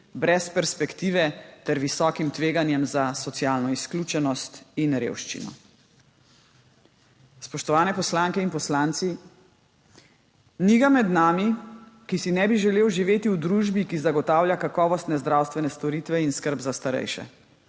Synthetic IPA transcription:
bɾɛspɛɾspɛkt̪iːʋɛt̪ɛɾʋisɔːkimt̪ʋeːɡanjɛmzasɔt̪sjaːlnɔisklʲut͡ʃɛnɔst̪inɾḛːwʃt͡ʃḭnɔ̰ | spɔʃt̪ɔʋaːnɛpɔslaŋkɛinpɔslaːnt̪si | niɡamɛd̪naːmikisinɛbiʒɛleːwʒiʋeːt̪iwd̪ɾuʒbikizaɡɔt̪aːwljakakɔːʋɔst̪nɛzd̪ɾawst̪ʋɛnɛst̪ɔɾit̪ʋɛinskəɾbzast̪aɾɛ̰jʃɛ̰

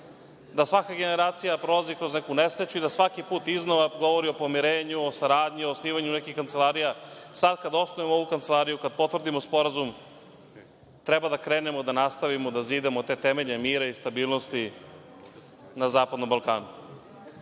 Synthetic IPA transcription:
d̪asʋakaɡe̞ne̞ɾaːt̪sijapɾolazikɾo̞znekunesɾet͡ɕuid̪asʋakipuːt̪iznoʋaɡo̞ʋo̞ɾio̞po̞miɾeːɲuosaɾaːd̪ɲiosniːʋaɲunekixkːant̪se̞lˠaːɾijasad̪kad̪osnoʋemooʋukant̪se̞lˠaːɾijukad̪̚po̞t̪ʋrd̪imo̞spo̞ɾazum | t̪ɾebad̪akɾe̞ːne̞mo̞d̪anast̪aʋimod̪aziːd̪emot̪e̞ːt̪emeʎemiːɾaist̪abiːlˠno̞st̪i | nazaːpad̪no̞mbalˠkaːnu

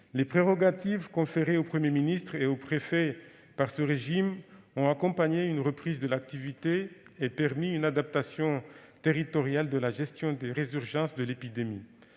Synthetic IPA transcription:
lepχeʁɔɡat̪ivkɔ̃feʁeopχəmjeminist̪χeopχefɛ | paʁsəʁeʒim | ɔ̃akɔ̃paɲeynʁəpχizd̪əlak̚t̪ivit̪eepɛʁmiynad̪ap̚t̪asjɔ̃t̪eʁit̪ɔʁjald̪əlaʒɛst̪jɔ̃d̪eʁezyʁʒɑ̃sd̪əlepid̪emi

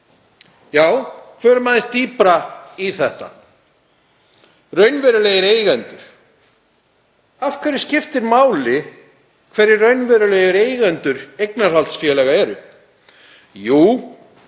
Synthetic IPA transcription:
jaːwkʰvɛɾʏmaðɪst̪iːpɾaiθɛht̪a̰ | rœɥnvɛɾʏleːjɪɾeːjɣɛnt̪ʏɾ̥ | afkʰvɛɾɪ̥scɪft̪ɪɾmaːwlɪ | kʰvɛɾɪɾrœɥnvɛːɾʏleːjɪɾeːjɣɛnt̪ʏɾejknaɾ̥halt̪sfjɛlɛːɣaɛɾʏ | juː

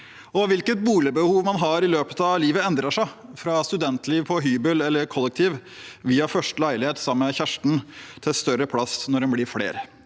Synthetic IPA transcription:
ɔʋɪlkət̪̚buːlɪbəhuːʋmɑnɦɑɾɪløːpət̪ɑʋliːʋəɛnd̪ɾəʂæɪfɾɑst̪ʉd̪ɛnt̪liːʋpʰɔɦyːbəlɛlːəɾkʰɔlːɛk̚t̪ʰiːʋʋiːɑfœʂʈlæɪlɪheːt̪sɑmːəçæʂʈn̩t̪ʰɪlst̪œɾəpʰlɑsnɔɾɖɛnblɪɾflḛːɾə

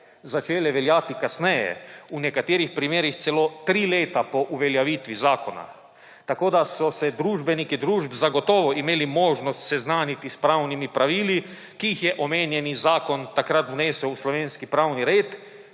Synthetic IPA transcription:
zat͡ʃeːlɛʋɛljaːt̪ikasnɛjɛ̰unɛkat̪eːɾixpɾimeːɾixt̪sɛlot̪ɾiːleːt̪apɔʔuʋɛljaʋiːt̪ʋizaːkɔna̰ | t̪akoːd̪asɔsɛd̪ɾuːʒbɛnikid̪ɾuːʒbzaɡɔt̪ɔːʋɔʔimeːlimoːʒnɔst̪sɛznaːnit̪ispɾawnimipɾaʋiːli | kiːxjɛʔɔmeːnjɛnizaːkɔnt̪akɾat̪uneːsɛwuslɔʋeːnskipɾawniɾeːt̪

